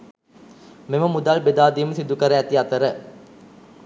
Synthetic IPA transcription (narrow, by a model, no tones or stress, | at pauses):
meməmud̪aːlbed̪aːd̪iːməsid̪ukəɾəæt̪iat̪əɾə